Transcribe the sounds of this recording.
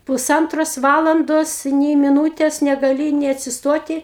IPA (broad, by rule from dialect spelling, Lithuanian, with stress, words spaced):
pʊˈsɐntroːs ˈʋɑːlˠɐndoːs nʲɛɪ mʲɪˈnuːtʲeːs nʲɛɡɐˈlʲɪ nʲeː nʲɛɐtʲsʲɪsˈtoːtʲɪ